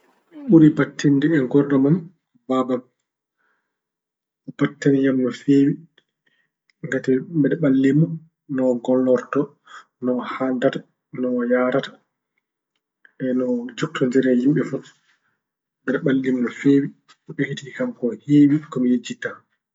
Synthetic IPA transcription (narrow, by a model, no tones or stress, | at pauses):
ɓuɾibatʰːindɛɛŋɡɔɾɗamam | babam | ɔb̥atːanijamnɔfeːwi | ŋɡatɛbɛɗɛɓalːimːɔ | nɔɡɔlːɔɾtɔ | nɔhandatḁ | nɔjaɾatḁ | ɛnɔd͡ʒok̚tʰɔɲd͡ʒɛɾɛhimɓɛfu | ɓɛɗɛɓalːimnɔfeːwi | ɔɓekitiikamkɔheːwikɔmijed͡ʒːita